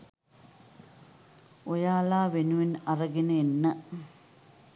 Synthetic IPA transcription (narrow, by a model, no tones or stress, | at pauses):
ojaːlaːʋenuʋinɐrɐɡinɨinːɐ